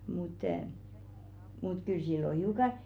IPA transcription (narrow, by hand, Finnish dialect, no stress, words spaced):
mut mut kyl silːo hiukɑ